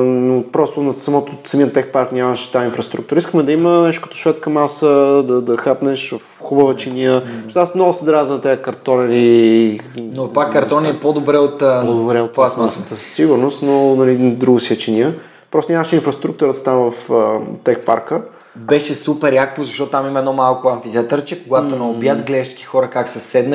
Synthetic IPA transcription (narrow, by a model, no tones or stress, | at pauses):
nopɾɔst̪ʊnɐsɐmɔt̪osɐmiət̪ɛxpaɾknʲamɐʃɛ̥t̪ainfɾɐst̪ɾukt̪ʊɾəiskəmɛd̪ɐimənɛʃt̪ʊkə̥t̪o̥ʃvɛt̪skəmasəd̪ɐd̪ɐxapnɛʃvɐfxubəvət͡ʃiniəʃt̪asmnɔɡʊsəd̪ɾaznɐt̪ɛəkɐɾt̪ɔnili | nopakːɐɾt̪ɔniɛpod̪obɾɛot̪ːpod̪obɾɛot̪̚pasasə̥t̪əsə̥sːiɡʊɾnost̪nonɐlid̪ɾuɡəsiət͡ʃiniə | pɾɔst̪onʲɲaməʃɛinfɾɐst̪ɾuk̚t̪ʊɾət̪ə̥t̪amvɐft̪ɛkpa̰ɾkə | bɛʃɛsupɛɾjakpozɐʃt̪ɔt̪t̪amimɛd̪ɔmalˠkʊɐnfit̪at̪əɾt͡ʃɛkoɡat̪onɛobjət̪ɡlɛʃt͡ʃki̥xɔɾəkaksɛsɛd̪nə